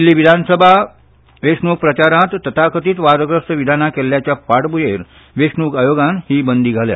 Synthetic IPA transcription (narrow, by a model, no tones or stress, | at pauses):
lːiːʋid̪ʱansəbʱa | ʋesnuk̚pɾət͡ɕaɾãt̪ːət̪ʰakət̪iːt̪ʋaɾəɡɾəsʈəʋid̪ʱanakeljat͡ɕjapaɽbujeɾ | ʋeʂnuːɡajoɡanhiːbənd̪ʱiːɡʱalja̰